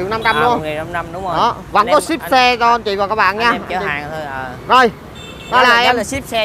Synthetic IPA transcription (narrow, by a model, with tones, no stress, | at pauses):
i˨wna˧mt͡ɕa˧mu˧ə˨˩a˧mna˧mɗʊ˨˦ŋ͡mɗɔ˨˦və̰˧˥nkɔ˨˦si˦˥p̚sɛ˧t͡ɕɔ˧ʔə˧nt͡ɕḭ˧˨vaː˨˩wkaː˦˥k̚ɓa̰ː˧˨nɲaː˧ʔə˧t͡ɕḭ˧a˨˧˨zo˨˩j | ɗɔ˨˦laː˨˩ʔɛ˧m˨si˦˥p̚sɛ˧